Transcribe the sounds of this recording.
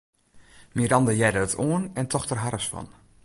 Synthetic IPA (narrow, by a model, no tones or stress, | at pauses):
miɾɑndəjɛjdəətʰoənɛntʰɔxtərɦarəsfɔ̰n